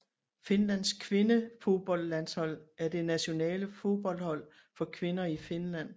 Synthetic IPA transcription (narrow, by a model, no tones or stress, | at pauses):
fe̝nlæn̰skʰʋe̝nəfo̝b̥ɒ̽ldænshɒ̽l̰æɐd̥e̝næɕo̝nɛ̰ːləfo̝b̥ɒ̽l̰d̥hɒ̽l̰ | fɒ̽kʰʋe̝nɐife̝nlæn̰